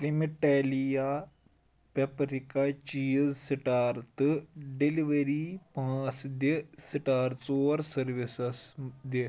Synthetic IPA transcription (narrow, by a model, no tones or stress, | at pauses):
klimiʈelija | pepɾikat͡ʃiːzsiʈaːɾt̪ɨɖeliʋɐɾipãːt͡sd̪esiʈaːɾt͡soːɾsɐɾʋisɐsd̪e